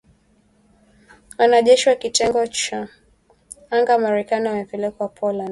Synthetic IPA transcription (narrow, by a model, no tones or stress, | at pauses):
wanaʄɛʃiwakitɛŋɡɔt͡ʃa | aŋɡamaɾɛkaniwamɛpɛlɛkɔwapʰɔland